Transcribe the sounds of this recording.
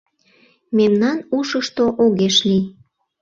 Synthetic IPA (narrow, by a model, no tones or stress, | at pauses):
memnɑnuʃəʃt̪oʔoɣeʃli